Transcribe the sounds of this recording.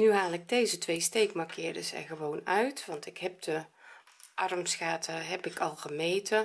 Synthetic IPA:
nyɦaːlˠɪk̚dejzətʋejstejkmakʰɪːdəsɛ̰nɣəʋoːnœɥtʋɑntɪkɦɛp̚də | ʔɑrmsxaːtʰəɦɛpɪkʰɑlˠɣəmejtʰə

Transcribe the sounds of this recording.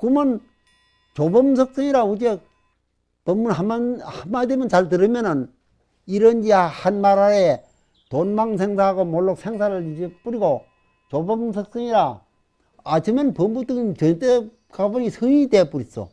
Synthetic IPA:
kumɯn | t͡ɕobʌmsʰʌk̚s͈ʰɯŋiɾaud͡ʑe | pʌmːunɦamːanhamademjʌnt͡ɕaɭt̬ɯɾɯmjʌnɯn | iɾʌnd͡ʑihanmaɾaɾe | tonmaŋsʰeŋsʰaɦaɡomoɭːok̚sʰeŋsʰaɾɯɭid͡ʑep͈uɾiɡo | t͡ɕobʌmsʰʌk̚s͈ɯŋiɾaː | t͡ɕʰɯmʌnpʌmbut͈ɯŋnt͡ɕʌnt͈e | kabʌŋisʰɯŋidep͈uɾis͈o̰

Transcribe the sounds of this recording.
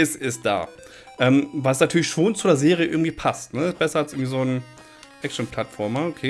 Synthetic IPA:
ɪsɪst̚d̥a̰ː | ʔɛːmvalsnatʰyːɐlɪçʃoːnt͡sudeːɐzeːʁ̞ijəʔɪɐɡŋ̩tv̥iːpʰastnəɪstb̥ɛsɐalsʔɪɐɡŋ̩tv̥iːzoːn | ʔɛk̚ʃn̩pʰl̥atfɔɐmaʔokʰeː

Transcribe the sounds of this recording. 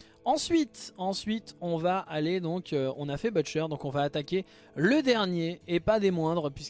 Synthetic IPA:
ɑ̃sɥit̪ɑ̃sɥit̪ɔ̃vaʔːled̪ɔ̃kʰøɔ̰̃nafɛbœʃœʁd̪ɔ̃kɔ̃vaːt̪akʲe | ləd̪ɛʁnjeːpad̪emwɛ̃d̪ʁəpɥis

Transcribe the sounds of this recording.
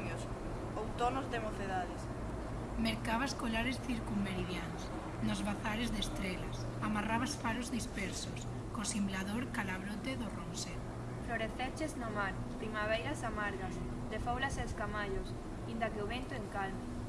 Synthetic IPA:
ɲos | owt̪onozðemoθeðaðes | meɾkaβaskolaɾesθiɾkummeɾiðjans | nozβaθaɾezðest̪ɾelas | amaraβasfaɾozðispɛɾsos | kosimblaðoɾkalaβɾot̪eðoronseɾ | floɾeθet͡ʃeznomaɾ | pɾimaβ̞ejɾasamaɾɣas | d̪efowlaseskamaʎos | ind̪akeoβent̪oeŋkalma

